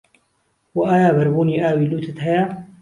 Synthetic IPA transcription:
wɐʔaːjaːbɐɾbuːniːʔaːwiːluːt̪ʰət̪ɦɐjaː

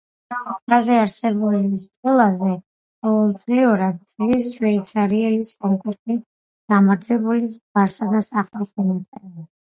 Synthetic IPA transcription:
at̪azɛaɾsɛbulist̪ʼɛlˠazɛ | qʼɔvɛlˠt̪sʼliɔɾad̪̚t̪sʼlisʃwɛit̪sʰaɾiɛliskʼɔŋkʼuɾt̪i | ɡ̥amaɾd͡ʒ̪ɛbulisbaɾsad̪asaχasinat̪ʼɛa

